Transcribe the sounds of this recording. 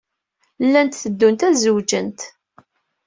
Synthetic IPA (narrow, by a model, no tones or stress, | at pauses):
lːænt̪θəd̪ːunt̪æzəwd͡ʒənt̪